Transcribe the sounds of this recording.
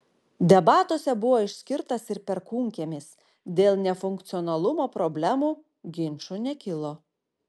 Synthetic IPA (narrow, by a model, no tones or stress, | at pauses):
d̪ʲɛbɑːt̪oːsʲɛbʊʋoːɪʃʲsʲkʲɪɾt̪ɐsɪɾpʲɛɾkuːŋʲkʲeːmʲɪs | d̪ʲeːlˠnʲɛfʊŋkt̪sʲɪɔnɐlˠʊmoːpɾɔbʲlʲæmuː | ɡʲɪnʲt͡ʃʊnʲɛkʲɪlˠoː